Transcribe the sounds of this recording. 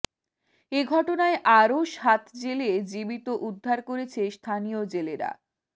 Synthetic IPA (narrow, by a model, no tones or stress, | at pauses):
eɡʱɔʈonaeʔaɾoʃhat̪ʰd͡ʑeled͡ʑibit̪oʔud̪ʱːaɾkoɾet͡ɕʰest̪ʰaniod͡ʑeleɾa̰